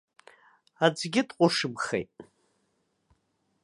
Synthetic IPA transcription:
ad͡zɡʲɪtʼqʷʼʊʂɨbχḛjtʼ

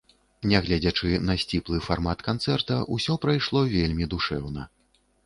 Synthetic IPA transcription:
nʲɛɣlʲad͡zʲɐt͡ʂɨnɐsʲt͡sʲiplˠɨfarmat̪kant̪sɛrt̪ɐʔusʲɔpɾajʂlˠɔvʲelʲmʲid̪uʂɛwnɐ

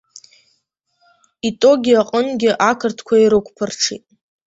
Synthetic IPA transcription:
itʼo̞ɡʲiaqʼənɡʲɪʔakʰɨrtʰkʷʰaiɾɨkʷʰʼpʰɨrʈ͡ʂʰḭtʼ

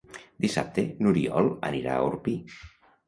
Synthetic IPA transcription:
d̪isa̰p̚t̪enuɾiɔləniɾa̰əuɾpi

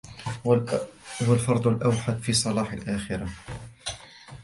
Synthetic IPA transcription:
walfɑɾˤd̪ˤʊlʔawħad̪fiːsˤɑlɑːħalʔæːxɪɾa

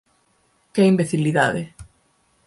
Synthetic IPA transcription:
kɛimbeθiliða̰ðe

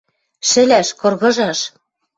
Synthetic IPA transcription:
ʃɘ̆læʃkɤ̆rɣɤ̆ʒɑʃ

